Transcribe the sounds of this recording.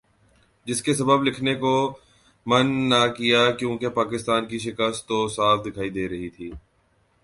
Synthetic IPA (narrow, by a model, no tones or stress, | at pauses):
d͡ʒɪskesɐbəblɪkʰneko | mɐnːakijakjõːkepaːkɪst̪aːnkiʃ̬ɪkəst̪ːosaːfd̪ɪkʰaːid̪eːɾɐɦit̪ʰiː